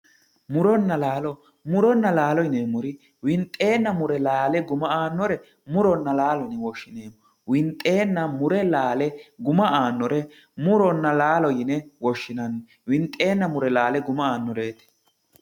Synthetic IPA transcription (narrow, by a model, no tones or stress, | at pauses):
mʊɾɔnːɐlaːlɔ | mʊɾɔnːɐlaːlɔjneːmːʊɾɪ | wɪnt̪ʼːe̞ːnːɐmʊɾɛlaːlɛɡʊmɐaːnːɔɾɛ | mʊɾɔnːɐlaːlɔjnɛwɔʃːɪneːmːɔ | wɪnt̪ʼːe̞ːnːɐmʊɾɛlaːlɛɡʊmɐʔaːnːɔɾɛ | mʊɾɔnːɐlaːlɔjɪnɛwɔʃːɪnɐnːɔ | wɪnt̪ʼːe̞ːnːɐmʊɾɛlaːlɛɡʊmɐaːnːɔɾeːt̪ɛ̥